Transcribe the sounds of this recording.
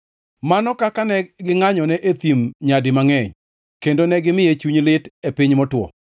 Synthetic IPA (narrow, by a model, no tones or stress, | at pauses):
manɔkakanɛɡɪŋaɲɔnɛʔet̪imɲadɪmaŋɛɲ | kendonɛɡɪmɪjet͡ʃuɲlɪtepiɲmɔtwɔ̰